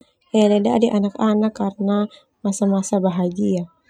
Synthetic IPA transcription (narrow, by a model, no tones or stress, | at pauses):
ʔɛlɛda̰dɛʔanakanakːarna | masamasabaɦad͡ʒia